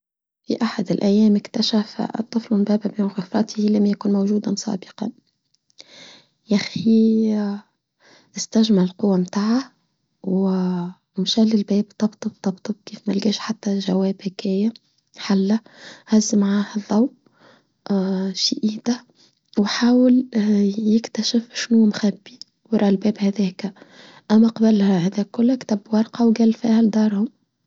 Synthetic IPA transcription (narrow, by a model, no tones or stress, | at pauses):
fḭʔaħad̪ɪlʔæjːɛːmɪkt̪aʃæft̪ˤːɨflʊmbæːbæbeːnɣɪfɾˤɑt̪ʰihilæmjakuːnmawʒuːd̪amsˤɑ̰ːbɨ̥qɑ̰n | jaxi | ʔɪst̪aʒmallqʊwːamt̪aːʕa | w | mʃælːɪlbɛːb̚t̪ˤɑbt̪ˤɨb̚t̪ˤɑbt̪ˤɨb̚kiːfmalɡɛːʃħat̪ːaʒawɛːbhɪkæːja | ħalːæ | hæzːəmaʕaːhælˤːɑw | ʃiːʔiːd̪̥æ | wħaːwɪljɪkt̪æʃɪfʃnuːmxæbːi | wɾˤɑːʔɪlbɛːbhæðɛːkæ | ʔæmːæqɑbəlhæhæðɛːkːʊlːækt̪æbwɑɾˤqɑwɡæːlfiːhæld̪ɑːɾˤhʊm